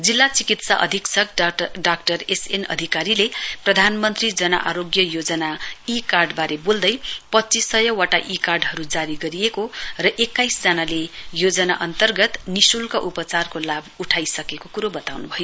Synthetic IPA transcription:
d͡zilːat͡sikit̪sa̰ʔʌ̰d̪ʱiksʌkɖak̚ʈʌresenʌ̰d̪ʱikaɾileprʌd̪ʱanmʌnt̪rid͡zʌnʌ̰ʔaɾoɡjʌjod͡zʌnaikarɖbaɾebold̪ʌjpʌtːt͡sisʌjʌwaʈaʔikarɖɦʌɾud͡zaɾiɡʌɾijekorʌʔekːajsd͡zanalejod͡zʌnaʔʌnt̪ʌrɡʌt̪nisulkaʔupʌt͡sarkolabuʈʰajsʌkekokuɾobʌt̪awnubʱʌjo

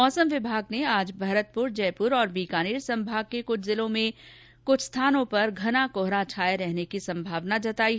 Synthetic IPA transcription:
ɔːsəmʋɪbʱaːɡneaːd͡ʒbʱaɾət̪̚pʊɾd͡ʒɛːpʊɾɔːɾbiːkaːniːɾsɐ̃mbʱaːɡ̚kekʊt͡ʃʰzɪlõmẽ | kʊt͡ʃʰst̪ʰaːnõpɐɾɡʱɐnakʊɦɾat͡ʃʰaːeɾɛɦnekisɐ̃mbʱaːʋnad͡ʒɐt̪aːi

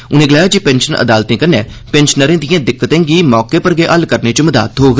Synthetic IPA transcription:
ʊnẽːɡəlaːjaːd͡ʒipɛ̃ːnʃənʔə̰d̪aːlt̪ẽːkənɛː | pɛ̃nʃənəɾẽːd̪ɪjãːd̪ɪkːət̪ẽːɡiːmɔːkeːpəɾɡeːʔəlkəɾneːt͡ʃəməd̪a̰ːt̪ɦoːɡ

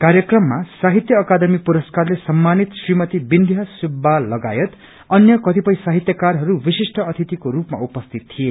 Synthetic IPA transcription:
karjʌkrʌmːasaɦit̪jʌːkad̪ʌmipuɾʌskarlesʌmːanit̪srimʌt̪ibind̪ʱjasibːalʌɡa̰jʌt̪ | ʌnjʌkʌt̪ipʌĩsaɦit̪jʌkarɦʌɾubisisʈʰʌʌt̪ʰit̪ikoɾupma̰upʌst̪ʰit̪t̪ʰːije

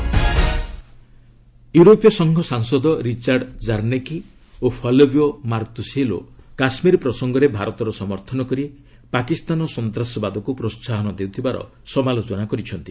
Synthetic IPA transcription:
juɾopjɔsɔŋɡʱɔsaŋsɔd̪ɔɾit͡ʃaɾɖd͡ʒaɾneki | opʰɔlobjomaɾt̪uselo̰kasmiɾpɾɔsɔŋɡɔɾebʱaɾɔt̪ɔɾɔsɔmɔɾt̪ʰɔnɔkɔɾie | pakist̪anɔsɔnt̪ɾasɔbad̪ʱɔkupɾossaɦɔnɔd̪ewt̪ʰibaɾɔ̰ | sɔmalot͡ʃɔnakɔɾit͡ʃʰɔnt̪i

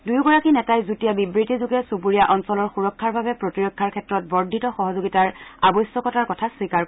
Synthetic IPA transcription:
dujɡɔɹakinɛtajzutijabibɹitizuɡɛsupuɹijaʔɔnsɔlɔɹxuɹɔkʰːaɹbabɛpɹotiɹɔkʰːaɹkʰɛtɹɔt̚bɔɹdʱitɔxɔɦɔzoɡitaɹabɔjsɔkɔtaɹkɔtʰaswikaɹ

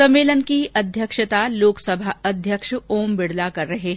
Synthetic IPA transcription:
ɐ̃mːeːlənkiɐd̪ʱjəkʃət̪aloːksəbʱaɐd̪ʱjəkʃoːmbɪɽ̤lakɐɾːɐɦeɦ

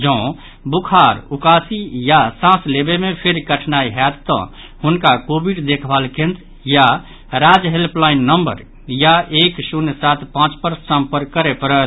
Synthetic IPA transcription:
d͡ʒɔ̃ | bukʰaɾukasijasãslebemepʰeɾkəʈʰnaiɦɛt̪t̪ːɔ̰̃ | hunkakobiɖd̪ekʰbalkẽnt̪ | ja | ɾad͡ʒɦelplainːəmbə̰ɾ | jaeksunsat̪ʰpãt͡ʃpəɾsãmpəɾkəɾepəɾə

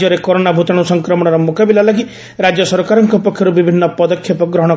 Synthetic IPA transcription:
ɔɾekɔɾonabʱut̪aɽ̃usɔŋkɾɔmɔɽ̃ɔɾɔmukabilalaɡi | ɾad͡ʒjɔsɔɾkaɾɔŋkɔpɔkʰːjɔɾubibʱinːɔpɔd̪ɔkʰːjɔpɔɡɾɔɦɔ̃ɽ̃ɔ

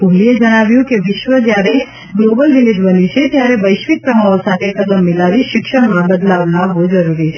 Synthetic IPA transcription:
bʱoɦlied͡ʒɐɽ̃aːʋjũkeʋɪʃʋəd͡ʒ̪jaːɾe | ɡloːbəlʋɪlɪd̪ʋənit͡ʃʰet̪jaɾeʋəɪʃʋɪk̪̚pɾɐmaːʋosaːt̪ʰekɐd̪əmːɪlaːʋiʃɪkʃəɽ̃mãbɐd̪laːʋnaɦozɐɾuːɾi

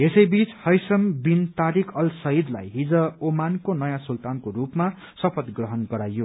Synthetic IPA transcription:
esʌjbit͡shʌjsʌmbint̪aɾikʰʌlsʌɦid̪la̰jɦid͡zʌomankonʌjãsult̪ankoɾupma | sʌpʰʌd̪ɡrʌɦʌnɡʌɾajo

